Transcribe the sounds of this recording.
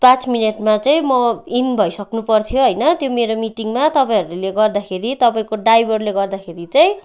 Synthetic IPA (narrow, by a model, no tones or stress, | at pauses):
pãt͡smineʈmat͡saĩmʌinbʱʌjsʌknupʌrt̪ʰjoɦʌjnʌt̪jomeɾomiʈiŋmat̪ʌpaĩɦʌɾuleɡʌrd̪akʰeɾit̪ʌpaĩkoɖajbʱʌrleɡʌrd̪akʰeɾit͡saĩ